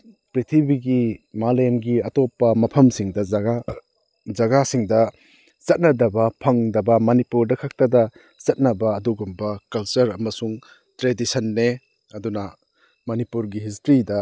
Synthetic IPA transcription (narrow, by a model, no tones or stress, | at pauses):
pɾit̪ʰibiɡimalenɡiɐtopːɐmɐpʰɐmsiŋdɐɡa | zɐɡasiŋdɐ | zɐt̚nɐdɐbɐpʰɐŋdɐbɐmɐnipuɾdɐkʰak̚tɐdɐ | t͡ʃɐt̚nɐbɐːduɡumbɐkɐlt͡ʃɐɾɐmɐsuŋ | tɾedisɐnːe | ɐdunɐ | mɐnipuɾɡiɦis̬tɾidɐ